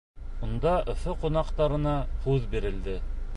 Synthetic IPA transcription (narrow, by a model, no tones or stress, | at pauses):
ŭnd̪ɑʔŏθoqunɑqt̪ɑɾɤ̆nɑhʉðbiɾɘ̆ld̪ɘ